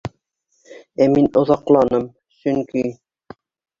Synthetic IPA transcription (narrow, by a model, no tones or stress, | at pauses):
æminŏðɑqlˠɑnɤm | sɵ̆ŋki